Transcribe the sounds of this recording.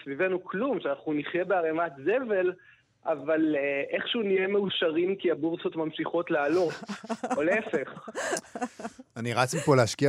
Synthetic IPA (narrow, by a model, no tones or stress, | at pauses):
svive̞nuklumʃeanaχuniχje̞beaʁemat̪zeve̞l | ʔavalʔe̞χʃunije̞meuʃaʁimkiabuʁso̞t̪mamʃiχo̞t̪lealo̞toleefe̞χ | aniʁat͡smipoleaʃkia